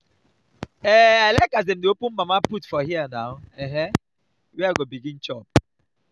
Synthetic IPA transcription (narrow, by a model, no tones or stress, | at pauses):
ɛalaɪkazdemdeopũnmamaputfɔɦianaʊɛɦɛ̃ | wɛaɡobiɡĩnt͡ʃɔp̚